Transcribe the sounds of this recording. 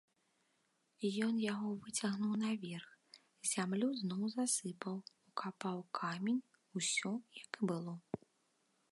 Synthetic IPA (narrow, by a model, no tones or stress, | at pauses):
ijɔnjaɣɔvɨt͡sʲaɣnuwnɐvʲɛrx | zʲamlʲuznɔwzasɨpɐwukapawkʰamʲenʲ | usʲɔjɐkbɨlˠɔ